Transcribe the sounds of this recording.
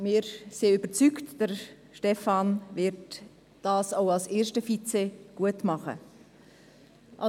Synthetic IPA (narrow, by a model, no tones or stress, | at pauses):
mɪːɾsiyb̥ət͡syktd̥əɾ | ʃtɛfɑnvɪɾt | d̥ɑːsoʊɑlseːɾʃtəfit͡seɡ̥uətmɑχə̰ | ʔɑ